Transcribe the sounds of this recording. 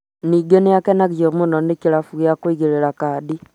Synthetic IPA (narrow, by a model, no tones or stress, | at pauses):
niɡenejakɛnaɣid͡ʒomunɔnekiɾafuɣjakwiɣeɾeɾakadi